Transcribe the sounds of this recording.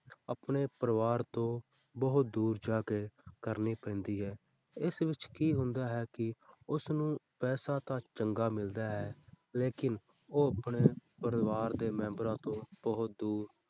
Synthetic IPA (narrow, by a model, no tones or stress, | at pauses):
əpɳeːpəɾəʋaːɾt̪õː | bəɦʊt̪̚d̪uːɾd͡ʒaːkeːkəɾniːpɛ̃ːnd̪iːɦɛː | ɪsʋɪt͡ʃkiːɦʊ̃nd̪aːɦɛːkɪʊsnũːpɛːsaːt̪ãːt͡ʃəŋɡaːmɪld̪aːɦɛː | leːkɪn | oːəpɳeːpəɾʋaːɾd̪eːmɛ̃ːmbɾãːt̪õːb̥əɦʊt̪̚d̪uːɾ